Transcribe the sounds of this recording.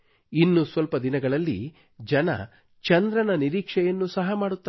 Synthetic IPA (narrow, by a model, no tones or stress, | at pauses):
inːusʋɐlpɐd̪inɐɡɐɭɐlːḭ | d͡ʒɐnɐ̰ | t͡ʃɐnd̪ɾɐnɐniɾiːkʂɛjɐnːusɐɦɐmaːɽut̪ːa